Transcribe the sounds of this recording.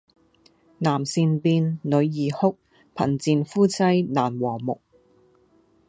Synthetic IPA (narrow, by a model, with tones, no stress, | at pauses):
naː˨˩msiː˧npiː˧nnɵ˨˧ɥjiː˨˩hʊ˥k̚ | pʰɐ̰˨˩nt͡siː˧nfuː˥t͡sɐ˥jnaː˨˩nwɔː˨˩ŋmʊ̰˨k̚